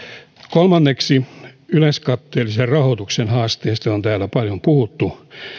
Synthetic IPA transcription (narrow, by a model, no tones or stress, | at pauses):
kolmɑnːeksiylenskɑt̪ːeːliserrɑhot̪uksenhɑːst̪eːst̪ɑont̪æːlːæpɑljompuhut̪ːu